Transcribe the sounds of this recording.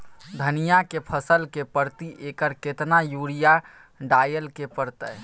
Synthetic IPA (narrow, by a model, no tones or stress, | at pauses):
d̪ʱənijakepʰəsəlkepəɾt̪iʔekəɾket̪najuɽija | ɖajəlkepəɾt̪əj